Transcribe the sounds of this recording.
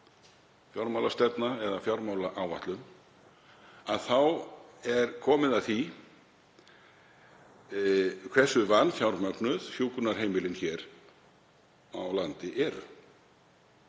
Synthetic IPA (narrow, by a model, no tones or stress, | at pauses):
fjɔwɾmawlast̪ɛt̪naɛðafjawɾmaːwlaʔawva̰ht̪lʏm | aðθawɛɾ̥kʰɔːmɪðaðθi | kʰvɛ̥sːʏvanːfjawɾmœknʏðhjuːkʏnaɾ̥ɦeːjmɪlɪnçɛːɾ | a̰wlant̪ɪʔɛɾʏ̰